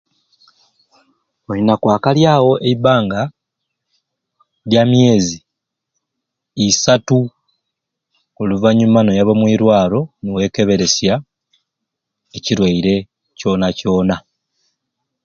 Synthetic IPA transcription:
oɾinakwaːkaljaːwo̞ʔeibaːŋɡa | ljamje̞ːzi | isatu | oluvaɲumano̞jaβomwiːɾwaːlo̞newe̞ːke̞βe̞ɾe̞sja | eciɾwaiɾe̞ | co̞ːnaco̞ːna

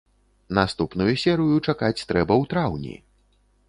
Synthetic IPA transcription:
nast̪upnujusʲɛɾɨjut͡ʂakat͡sʲt̪ɾɛbɐwt̪ɾawnʲḭ

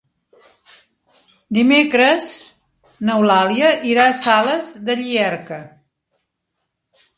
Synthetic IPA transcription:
d̪imekɾəz | nəwlaliəʔiɾasaləzðəʎiɛrkə

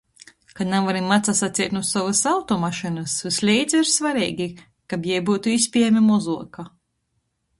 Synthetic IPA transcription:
kanamvaɾimmːat̪sasat̪siɛt̪nuɔsavɐsawt̪ɔmaʃinɨsvislʲijd̪zʲiɾsvaɾiːɡʲi | kabjɛjbuːt̪uispʲiɛjmʲimɔzuɔka

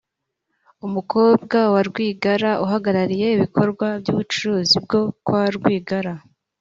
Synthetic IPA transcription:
umuko̞b̚ɡawaɾɡwiːɡaɾaʔuɦaɡaɾaɾije̞iβikʰo̞ɾɡwabjuːβut͡ʃuɾuːzib̚ɡo̞kwaɾɡwiːɡaɾa

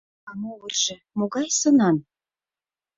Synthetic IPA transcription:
ɑmuurʒə̆ | moɣɑjsɤ̆nɑn

